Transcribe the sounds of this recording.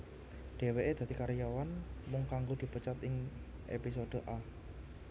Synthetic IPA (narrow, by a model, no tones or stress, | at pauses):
ɖ̥e̤weʔed̪̥a̤t̪ikaɾijawanmʊŋkaŋɡod̪̥i̤pət͡ʃat̪ɪŋ | ʔḛpisod̪̥ə̤ʔa